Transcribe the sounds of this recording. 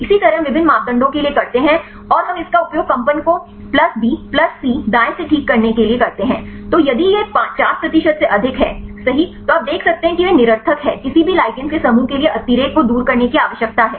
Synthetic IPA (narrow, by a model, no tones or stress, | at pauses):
ɪsit̪ɐɾəʋɪbʱɪnmaːp̚d̪ə̃ɳɖõkeliekɐɾt̪eɦɛ̃ | ɔːɾɦɐmɪskaʊpjoːɡ̚kɐ̃mpəniko | plɐsbʱiːplɐsːiːd̪aːjseʈʰiːkːɐɾnekeliekɐɾt̪eɦɛ̰̃ːt̪oːjɐd̪ijepãːt͡ʃaːspɾɐt̪ɪʃəd̪seʔɐd̪ʱɪkɦɛ̰ːsɐɦit̪oaːp̚d̪eːkʰsɐk̚t̪ẽɦɛ̃kiʋenɪɾəɾt̪ʰəkɦɛːkɪsibʱilaːɪkɪ̃nskesɐmukelieʔɐt̪ɪɾeːkːod̪uːɾkɐɾnekiaːʋəʃjək̚t̪aɦɛː